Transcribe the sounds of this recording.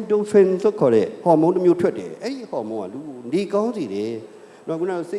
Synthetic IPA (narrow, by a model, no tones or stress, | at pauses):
tõsʰɛ̃nlokʰɔɾɛhɔmõntəmjotʰwɛtːɛ̰ʔɛɾihɔmõŋa̰lunekãʊ̃nziɾɛ | nɔʔkʰunase